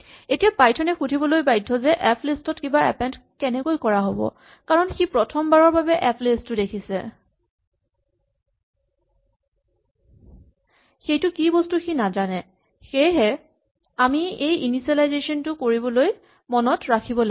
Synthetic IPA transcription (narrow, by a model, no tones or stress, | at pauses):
etijapajtʰɔnɛxudʱibɔlojbajdʱːɔzɛʔɛpʰlistɔtkibaɛ̰pɛndkɛnɛkojkɔɹaɦobɔ̰ | kaɹɔnxipɹɔtʰɔmbaɹɔɹbabɛʔɛpʰlistːʊdekʰisɛ̰ | xejtʊkibɔstuxinazanɛ | xejɦɛ | amiejinisalajzesɔntʊkoɹibɔloj | mɔnɔtɹakʰibɔla